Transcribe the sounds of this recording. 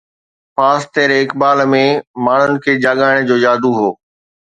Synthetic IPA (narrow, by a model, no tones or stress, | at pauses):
paːst̪eːɾɪkbaːlmẽmaːɳ̤ʊnɪ̆kʰeːd͡ʑaːɠaːɪɽ̃d͡ʑoːjaːd̪uɦoː